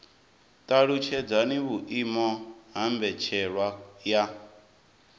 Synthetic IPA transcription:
t̪ʼaɺut͡ʃʰɛd͡zaniβuʔimɔɦambɛt͡ʃʰɛɺwaja

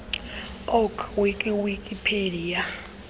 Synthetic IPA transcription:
ɔkʰwikʼiwikʼipʰelija

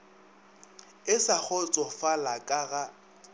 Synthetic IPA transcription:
ɪsak͡xʰɔt͡sʼɔfalakʼaɣa

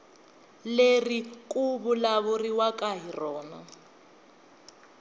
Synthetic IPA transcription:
lerikʼuβulaβuriwakʼaɦirɔːnɔ

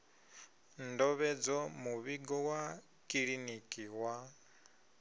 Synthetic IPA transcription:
ndɔβɛd͡zɔmuβiɡɔwa | kʼiɺinikʼiwa

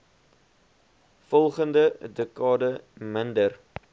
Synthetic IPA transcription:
fɔlˠχəndədəkɑːdəməndər

